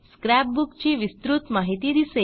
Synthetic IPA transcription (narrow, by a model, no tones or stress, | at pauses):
sskɾæp̚bukt͡ɕiːʋist̪ɾut̪maɦit̪iːd̪ise